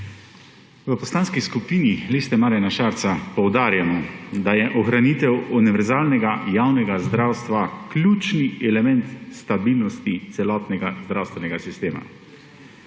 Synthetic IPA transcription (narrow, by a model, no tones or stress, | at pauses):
ʋəpɔslaːnskiskupiːnilest̪ɛmaːɾjanaʃaːɾt̪sapɔwd̪aːɾjamɔd̪ajɛʔɔxɾaniːt̪ɛwuniʋɛɾzaːlnɛɡajawnɛɡazd̪ɾawst̪ʋaklʲjuːt͡ʃniɛlɛmɛnt̪st̪abiːlnɔst̪it̪sɛlɔːt̪nɛɡazd̪ɾawst̪ʋɛnɛɡasist̪eːma̰